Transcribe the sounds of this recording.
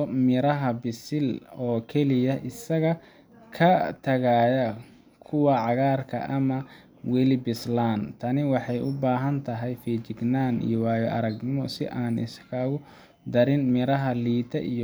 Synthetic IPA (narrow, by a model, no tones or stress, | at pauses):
ɔmɪɾɐɦɐbɪsɪlɔːkʰɛlɪjɐʔɪsɐɣɐ | kʰɐt̪ʰɐɣaːjɐ | kʰʊwɑʕɑɣaːrkʰɐ̰ʔɐmɐ | wɛlɪbɪslaːnt̪ʰɐnɪwɑħɑjʔʊbaːɦɐnt̪ʰɐɦɛjfiːt͡ʃɪɡnaːnḭjɔwaːjɐʔɐɾɐɡnɪmɔsɪ̰ʔaːnɪ̰skʰaːɣʊ | d̪ɐɾɪnmɪɾɐɦɐliːt̪ʰɐ̰ʔḭj